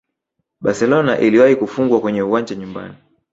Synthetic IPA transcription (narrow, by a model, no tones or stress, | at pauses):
ɓasɛlɔnaʔiliwahikufuŋɡwakwɛɲɛuwaɲd͡ʒaɲumba̰ni